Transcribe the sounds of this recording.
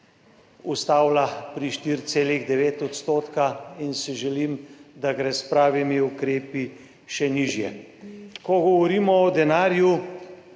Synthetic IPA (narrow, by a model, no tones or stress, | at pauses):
ust̪aːwlapɾiʃt̪iɾt̪seːliɣd̪ɛʋeːt̪ɔt̪st̪oːt̪kainsiʒɛlimd̪aɡɾɛspɾaːʋimiukɾeːpi | ʃɛniːʒjɛ | kɔɡɔʋɔɾiːmɔːd̪ɛnaːɾju